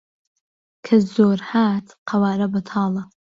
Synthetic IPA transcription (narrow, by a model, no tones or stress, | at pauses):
kʰɐzoːɾhaːt̪qʰɐwaːɾɐbɐt̪ʰɑːlˠɐ